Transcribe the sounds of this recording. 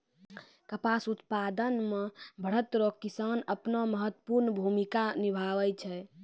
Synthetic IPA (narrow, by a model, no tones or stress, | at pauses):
kəpasut̪pad̪ənmebʱəɽ̤ət̪ɾokisanəpnɔməɦət̪ːə̥puɾnbʱumikanibʱaʋəjt͡ʃʰɛ